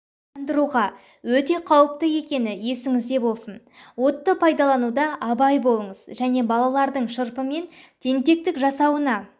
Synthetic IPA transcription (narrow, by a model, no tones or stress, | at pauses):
ɑnd̪əɾuʁɑ | wɵt̪e̞qʰɑwəp̚t̪əe̞kʲe̞nɪje̞sɪŋɪzd̪e̞bo̞lˠsən | wo̞t̪ːəpʰɑjd̪ɑlˠɑnud̪ɑʔɑbɑjbo̞lˠəɴəzʒæne̞bɑlˠɑlˠɑɾd̪əɴʃəɾpəme̞nt̪ʰe̞ŋt̪e̞k̚t̪ɪkʒɑsɑwənɑ